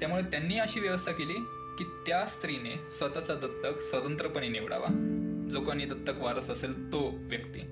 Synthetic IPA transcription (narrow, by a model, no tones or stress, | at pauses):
t̪jamuɭet̪janːiːəɕiːʋjəʋəst̪ʰakeliː | kiːt̪jast̪ɾinesʋət̪at͡sat̪ət̪ːəksʋət̪ənt̪ɾəpəɳiniʋɽa̰ʋa̰d͡zokañit̪ət̪ːəkʋaɾəsəselt̪oʋjəkt̪ḭ